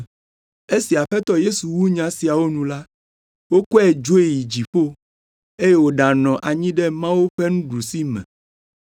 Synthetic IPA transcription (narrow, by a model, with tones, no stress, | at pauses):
e˦si˨a˨ɸɛ˦t̪ɔ˦je˦su˨wu˦ɲã˨si˨a˨wo˦nũ˨la˦ | wo˦kɔ˦ɛ˨d͡ʒo˦e˦˨ji˨d͡ʑi˨ɸo˦ | e˦je˦wo˨˦ɖa˨nɔ̃˨ʔa˨ɲĩ˦ɖɛ˦mã˦wu˦ɸɛ˦ŋũ˦ɖu˨si˦mɛ̰̃˨